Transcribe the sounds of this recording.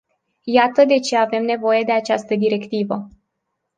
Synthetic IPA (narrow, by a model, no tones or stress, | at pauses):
jat̪əd̪e̞t͡ʃe̞ave̞mne̞vo̞je̞d̪e̞at͡ʃast̪əd̪iɾe̞kt̪ivə